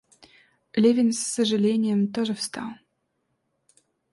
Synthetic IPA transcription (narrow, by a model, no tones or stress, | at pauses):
lʲevʲɪnsːəʐɨlʲenʲɪjəmt̪oʐɨfst̪ɑ̰lˠ